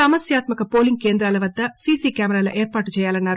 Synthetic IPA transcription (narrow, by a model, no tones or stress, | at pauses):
ɐmɐsjaːt̪mɐkɐpo̞ːliŋɡ̚ke̞ːnd̪ɾaːlɐʋɐd̪ːɐsiːsiːkjaːmɛɾaːlo̰ːʔeːɾpaːʈut͡ʃɛːjaːlɐnːaːɾu